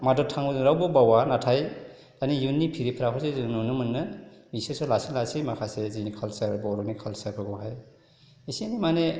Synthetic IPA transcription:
madɔtʰaŋbɾawbɔbawanatʰaj | anijunːipʰiɾipʰɾapʰɯsezɯnunɯmɯnːɯbisesɔlasilasijmakʰasezinikʰalsaɾbɔɾɔnikʰalsaɾbɯɡɔɦaj | isinimane

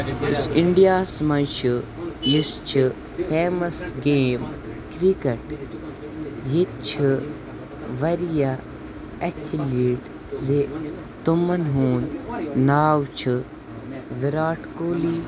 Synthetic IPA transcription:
ʊsɪɳɖijaːsmɐnt͡ʃʰɨjist͡ʃʰɨ | fʰeːmɐsɡeːm | kɾikɐʈ | jit̪̚t͡ʃʰɨ | ʋɐɾija | ɐt̪ʲʰiliːɖ | ze | t̪umɐnɦũːnd̪naːwt͡ʃʰɨ | ʋiɾaːʈkoːliː

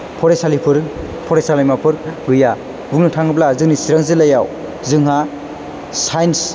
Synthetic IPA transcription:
pʰɔɾesalipʰɯɾ | pʰɔɾesalajmapʰɯɾɡɯja | buŋnɯtʰaŋɯblazɯŋnisiɾaŋzɯlajaw | zɯŋɦa | sajns

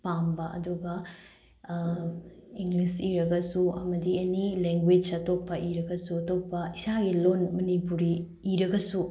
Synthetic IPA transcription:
pambɐʔɐ̰duɡɐ | iŋɡlisiɾɐɡɐsuɐmɐdienileŋɡweɐtop̚pːɐʔiɾɐɡɐsuɐtop̚pɐisaɡilonmɐnipuɾiː | ɾɐɡɐsu

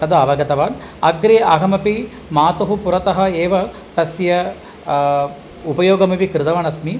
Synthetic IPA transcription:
t̪ɐd̪ɐɐʋɐɡɐt̪ɐʋaːn | ɐɡɾeːɐɦɐmɐpi | maːt̪ɐɦupuɾɐt̪ɐɦɐ̆eːʋɐ | t̪ɐsjɐ | upɐjoːɡɐmɐpikɾɪd̪ɐʋɐnɐsmi

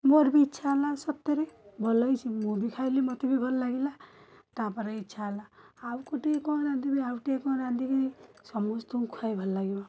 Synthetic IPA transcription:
moɾbiːtːt͡ʃʰalasʌp̚t̪eɾebʱɔlʌjt͡ʃʰimobikʰajlemʌt̪ibibʱʌllaɡila | t̪apʌɾaitːt͡ʃʰalaː | wukoʈekɔ̃ɾãnd̪ibiawʈekɔ̃ɾãnd̪ikiisʌmost̪uukʰajbʱʌllaɡima

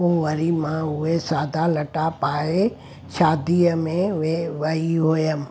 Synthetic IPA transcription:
ũːʋɐɾimãʊɦesaːd̪ʱalɐʈapaːɦe | ʃaːd̪iəmẽeʋɐiɦoːjəmɪ

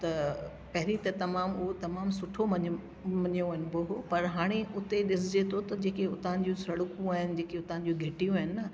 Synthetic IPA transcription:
t̪ɐ | pɐɦɪɾit̪ɐt̪ɐmaːmʊɦot̪ɐmaːmsʊʈʰomɐɲ | mɐɲõɦɪn̆boɦopɐɾɦaːɽ̃eʔʊt̪eɗɪsɪd͡ʑet̪ʰot̪ɐd͡ʑeːkeʊt̪aə̃n̆d͡ʑũsɐɽʊkũaːɦɪnɪ̆d͡ʑeːkeʊt̪ããn̆d͡ʑũɡʱeːʈijũaːɦɪnɪnɐ

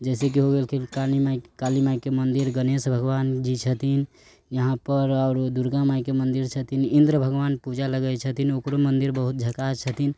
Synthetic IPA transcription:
d͡ʒɛɪsek̬iɦoɡelkʰekalimakalimaikemənd̪iɾɡənesbʱəɡʋand͡ʒit͡ʃʰət̪ʰin | jəɦãpəɾaʊɾd̪uɾɡãmaikemənd̪iɾt͡ʃʰət̪ʰinind̪ɾəbʱəɡʋanpud͡ʒaləɡət͡ʃʰət̪ʰinokɾomənd̪iɾbəɦut̪̚d͡ʒʱəkat͡ʃʰət̪ʰin

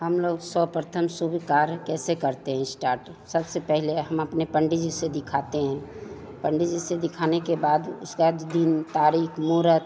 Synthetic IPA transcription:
ɦəmloːɡsɔpɾət̪ʰəmsubikaːɾkɛːsekəɾt̪eɦɛ̃ɪsʈaːɾʈ | səbsepɛɦleɦəməpnepəɳɖid͡ʒised̪ɪkʰaːt̪eɦɛ̃ | pəɳɖid͡ʒised̪ɪkʰanekebaːd̪ʊskad͡ʒd̪int̪aːɾiːkʰmuːɾət̪

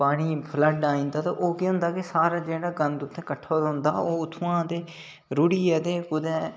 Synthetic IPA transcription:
paːɽ̃iːpʰləɖaːĩːnd̪aːt̪ãːʔoːkiɦʊ̃nd̪aːkɪsaːɾaːd͡ʒeːɽaːɡənd̪ʊt̪ʰːẽːkəʈʰːoːd̪aʊ̃nd̪a̰ːoːʊt̪ʰːuːãːt̪eː | ɾʊɽiːɛːt̪eːkʊd̪ɛ̃ː

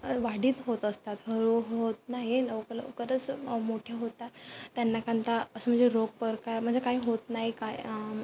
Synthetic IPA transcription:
ʋaɽiːt̪ɦot̪əst̪at̪ɦəɾuɦot̪naɦiləwkələ̰kəɾət͡smoʈʰjaɦot̪at̪ːjanːakant̪aəsəm̤əɳd͡zeɾoɡ̚pəɾkaɾm̤əɳd͡zekaɦiːɦot̪naɦikaj

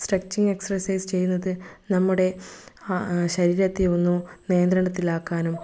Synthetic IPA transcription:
sʈrɐk̚t͡ɕiŋɡe̞ksɐrɐsɐjst͡ɕe̞jːunːɐðɨnɐmːuɽe̞ | ɕɐɾiːɾɐt̪ːionːunejɐnd̪ɾɐɳɖɐt̪ːilaːkːaːnum

